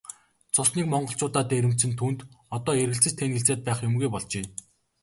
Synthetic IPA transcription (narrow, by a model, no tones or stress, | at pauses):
t͡sʰʊsniːkmɔɴɢɞ̆ɬt͡ɕʊːt̪aːt̪eːeɾɘ̆m̥t͡sɘ̆nt̪ʰːuːnt̪ɔt̪ɔːeɾɣɘ̆ɬt͡sɘ̆t͡ɕt̪ʰenxĕɬt͡seːt̪̚pæːχjʊmɡujpɔɮt͡ɕeː